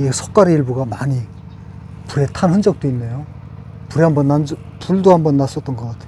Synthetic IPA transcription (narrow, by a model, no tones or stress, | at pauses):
esʰok͈aɾeiɭbuɡamaɲi | puɾe̞tʰanɦɯnd͡ʑʌk̚t͈oinːejo | puɾiɦambʌnːan | puɭdoɦambʌnːas͈ʌt͈̚ʌnɡʌk͈atʰej